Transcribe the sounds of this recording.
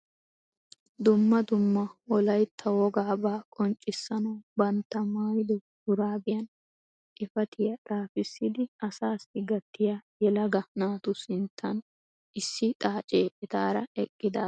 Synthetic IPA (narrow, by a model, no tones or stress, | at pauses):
d̪ʊmːɐd̪ʊmːɐɔlɐjt̪ʰːɐwɔɡaːbaːkʼɔnt͡ʃʼːɪsːɐnɐwbɐnt̪ːɐmaːjɪd̪ɛ | ʊɾaːbɪjɐn | ʔɪfɐt̪ʰɪjɐt̪ʼaːfɪsːɪd̪ɪɐsaːsɪɡɐt̪ːɪjajɛlɐɡɐnaːt̪ʊsɪnt̪ʰːɐn | ʔɪsːɪt̪ʼaːt͡ʃʼeːʔɛt̪aːɾɐɛkʼːɪd̪aː